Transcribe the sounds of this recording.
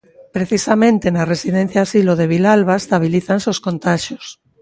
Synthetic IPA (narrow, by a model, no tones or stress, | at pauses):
pɾeθisamẽnt̪enaresiðen̟θjaːsiloð̞eβ̞ilalβaest̪aβ̞iliθansoskont̪aʃjos